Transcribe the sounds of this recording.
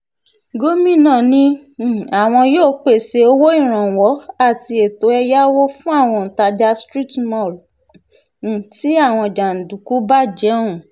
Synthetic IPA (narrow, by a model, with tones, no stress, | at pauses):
ɡo˦mĩ˦˨nãː˦˨nĩ˧˦˨a˨w̃ɔ̃˧joː˦˨k͡pe˦˨se˧o˧wo˦ĩ˦˨ɾ̃ã˨wɔ˨˦a˦˨ti˧e˨to˨˦ɛ˧ja˦wo˦fũ˦a˦˨w̃ɔ̃˧˨n̩˨ta˧d͡ʒa˧stɾi˦˨tmɔ˦˨l̩˨ | ti˦a˦˨w̃ɔ̃˧d͡ʒa˨n̩˨du˨ku˨˦ba˦˨d͡ʒɛ˨˦ũ˨